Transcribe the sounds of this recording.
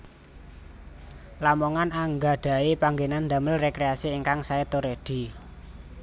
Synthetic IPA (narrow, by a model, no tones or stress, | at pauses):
lamoŋanaŋɡaɖ̥a̤epaŋɡenand̪a̤məlrekɾeasiːŋkaŋsaet̪oɾed̪̥i̤